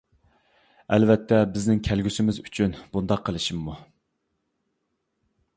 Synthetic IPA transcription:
ælvɛt̪ʰːɛbɪznɪŋkʲʰælɡʲysɪmɪzyt͡ʃʰynbund̪ɑqʰːəlˠɨʃimːu

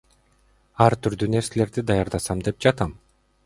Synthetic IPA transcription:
ɑɾt̪yɾd̪yne̞ɾsele̞ɾd̪id̪ɑjɑɾd̪ɑsɑmd̪e̞p̚d͡ʒɑt̪ɑm

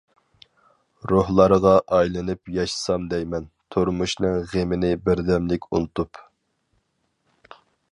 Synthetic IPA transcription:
ɾohlˠɑɾʁɑʔɑjlˠɨnɨpjɑʃsɑmd̪ɛjmɛn | t̪ʰoɾmuʃnɨŋʁemɪnɪbɪɾd̪ɛmlɪkʲʰunɨt̪up

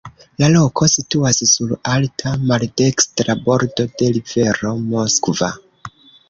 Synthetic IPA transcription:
lalo̞kʰo̞situassulaltʰamalde̞kstɾabo̞ɾdo̞de̞live̞ɾo̞mo̞skva̰

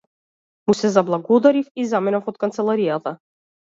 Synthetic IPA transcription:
musɛzablˠaɡɔd̪aɾifizamɛnafɔt̪̚kant̪sɛlˠaɾijat̪a

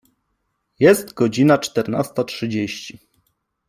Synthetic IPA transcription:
jɛst̪ɡɔd͡ʑinat͡ʂt̪ɛɾna̰st̪atʂɘd͡ʑeɕt͡ɕi

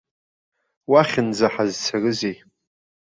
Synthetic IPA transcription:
waχʲɪnd͡zaħazt͡sʰarɨzej

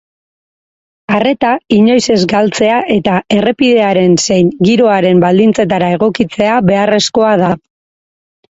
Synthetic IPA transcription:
are̞t̪aiɲo̞jse̞zɡalt͡se̞aʔe̞t̪aʔe̞re̞piðe̞aɾe̞nse̞jŋɡiɾo̞aɾe̞mbald̪int͡se̞t̪aɾae̞ɣ̞o̞kit͡se̞aβe̞are̞sko̞aða

